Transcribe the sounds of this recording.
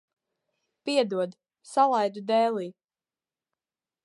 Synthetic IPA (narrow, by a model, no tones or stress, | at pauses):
piɛd̪uɔd̪ | salˠajd̪ud̪ɛːlˠiː